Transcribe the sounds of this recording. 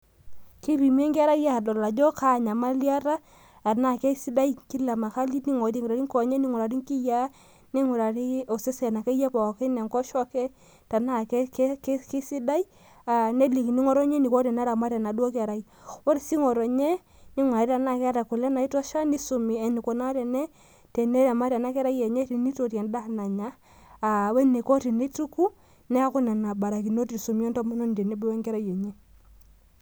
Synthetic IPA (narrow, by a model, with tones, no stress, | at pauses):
ki˦pi˨m˦ɛ˦ŋɡa˦ɾa˦ja˦˨dɔ˨la˨d͡ʒɔ˦ka˦˨ɲa˨ma˦lja˦ɾa˦ | a˨na˦˨kɛ˦si˦da˦jki˦la˨ma˨ka˦li˦tni˦ŋɔ˨ti˦˨ŋ˨ɾa˨ɾi˦ŋkɔ˨ɲɛ˦ni˦ŋɔ˨ɾa˨ɾi˦ŋki˦ja˦ | ni˦ŋu˨ɾa˨ɾi˦o˨se˦sɛ˨na˨ke˦jɛ˦pa˨ke˦nɛ˨ŋkɔ˦ʃɔ˦kɛ˦ | ta˨na˦kkkki˦si˦da˦j | a˨ne˦li˨kni˦ŋɔ˦ɾɔ˦ɲe˦ni˨kɔ˦ɾɛ˨na˦ɾa˨ma˦ɾɛ˨na˨dwɔ˦ka˨ɾa˨j | wɔ˦ɾi˨si˦ŋɔ˨ɾɔ˨ɲɛ˦ | ni˦ŋwa˨ɾi˦ta˨na˦˨kɛ˦a˦ta˨ku˨lɛ˦na˨i˦tɔ˦ʃa˦ni˦su˨mi˨ɛ˨ni˨kɔ˨na˦tɛ˨nɛ˦ | tɛ˨ne˦ɾa˨ma˦ɾa˨na˦kɛ˦ɾa˦jɛ˨ɲɛ˦ti˨˦ni˦to˨ta˨nda˦˨na˨ɲaː˨˦˨ | wɛ˦ni˨kɔ˦ti˨ni˦tu˦ku˦ | nɛ˦a˦kʊ˦na˨na˨ba˨ɾa˨ki˨no˦ti˨su˨mi˦ɔ˦ntɔ˦m˦nɔ˦n˨tɛ˨ne˦bɛ˦wɛ˦ŋkɛ˦ɾa˦jɛ˨ɲɛ˦